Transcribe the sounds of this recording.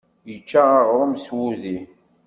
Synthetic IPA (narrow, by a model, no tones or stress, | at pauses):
jət͡ʃːaaʁɾˤʊmswuði